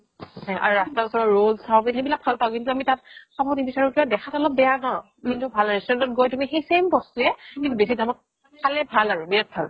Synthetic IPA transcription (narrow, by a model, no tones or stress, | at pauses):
haʔa̰ɹuɹastaɔsɔɹɔɹolzʰawkinxebilak̚pʰalpaʊ̃kintʊamitat̚sabɔ̃nibisaɹukiɔ̃dɛkʰatɔlɔp̚bɛjakaʊ̃ | kintʊbʱalɹisɛntɔt̚ɡojtumixejsembɔstuɛkintubesidamɔt̚ | kʰalɛbʱalaɹʊbiɛt̚pʰal